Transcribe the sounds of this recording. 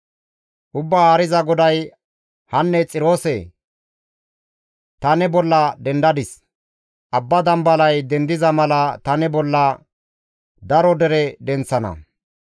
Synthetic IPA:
ʔʊbːaaːɾɪzɐɡɔd̪ɐj | hɐnːɛt͡sʼɪɾoːsɛ | t̪ɐnɛbɔlːɐd̪ɛnd̪ɐd̪ɪs | ʔɐbːɐd̪ɐmbɐlɐjd̪ɛnd̪ɪzɐmɐlɐt̪ɐnɛbɔlːɐ | d̪ɐɾɔd̪ɛɾɛd̪ɛnt͡sːɐnɐ̰

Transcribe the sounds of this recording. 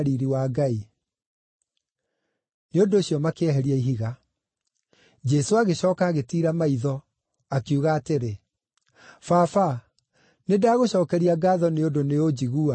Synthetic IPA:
ɾiɾiwaɡai | neondoːɕjɔmakeɛɦɛɾiaiɦiɣa | d͡ʑɛsoaɣeɕɔːkaːɣetiːɾamaiðɔ | akiuɣaːteɾe | fafa | nedaːɣoɕɔːkɛɾiaɡaːðɔneondoneod͡ʑiɣua

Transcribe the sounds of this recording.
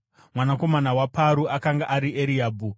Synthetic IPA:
mwanako̞manawapaɾuʔakaŋɡaʔaɾiʔeɾiaːbʱu

